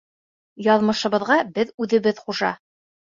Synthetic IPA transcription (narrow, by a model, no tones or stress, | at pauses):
jɑðmɤ̆ʃɤ̆βɤ̆ðʁɑbɘðʉðɘ̆βɘðχuʒɑ̰